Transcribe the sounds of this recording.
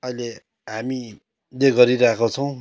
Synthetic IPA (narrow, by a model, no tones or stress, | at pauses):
ʌile | ɦami | leɡʌɾiɾaɦekot͡sʰʌw̃